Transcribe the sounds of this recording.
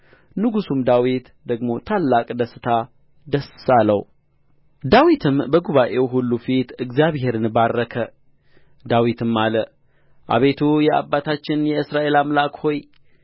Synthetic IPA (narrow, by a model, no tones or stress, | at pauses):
nɨɡusumd̪awit̪ | d̪əɡmo̞t̪ʰalːakʼd̪əsɨt̪ʰa | d̪əsːalə̰w | d̪awit̪ʰɨmbəɡuβaʔe̞wɦulːufit̪ɨɡzjaβhe̞ɾɨnbarːəkʰə | d̪awit̪ʰɨmːalə | ʔa̰βe̞t̪ʰujɛa̰bːat̪ʰat͡ʃːɪnjɛɨsɾaʔe̞lamlakho̞j